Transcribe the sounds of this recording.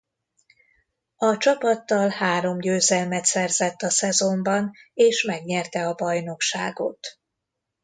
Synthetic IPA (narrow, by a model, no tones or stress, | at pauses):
ɒt͡ʃɒpɒt̪ːɒlhaːɾo̞mɟøːzɛlmɛt̪sɛrzɛt̪ːɒsɛzo̞mbɒneːʃmɛɡɲɛrt̪ɛɒbɒjno̞kʃa̰ːɡo̞̰t̪